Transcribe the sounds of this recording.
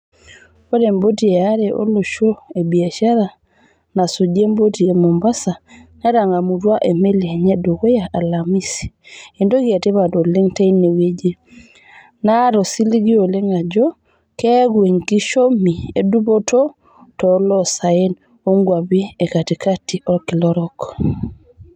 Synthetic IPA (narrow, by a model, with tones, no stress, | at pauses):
o˦ɾɛ˨mbo˦ti˨ɛaɾɛʔo̰˦lo˨ʃoebi˨a˨ʃa˦ɾa˨ | na˨so˨ɟe˦mbotie˨momba˦sa˨na˦ɾa˨ŋa˨mu˨twa˦ʔe˨me˦li˨ɲedo˨ko˦jaʔa˨lami˦si̥e˨ndo˦ɡia˨tɛ˦βato˨li˦ŋta˦ine˨we˦d͡ʒe˦ | naɾɔ˨si˦li˦ɡi˦o˨le˦ŋa˨d͡ʒɔ˦ | kɛ˦ɡue˨ŋki˦ʃo˦mi˨e˨du˦bo˦tɔ˦ | tɔlɔ˦sa˨e˦n | o˦ŋɡwa˨bi˦e˨ka˨ti˨ka˦ti˨ɔ˦ki˨lɔ˦ɾɔ˦kɔ